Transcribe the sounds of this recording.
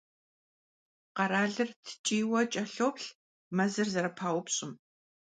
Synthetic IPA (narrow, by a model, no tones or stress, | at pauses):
qɐɾaːɮɨrtʰɨ̥t͡ʃʼiːwɐt͡ʃʼɐɬoːpɬ | mɐzɨrzɐɾɐpʰaːwʷʊpɕʼɪm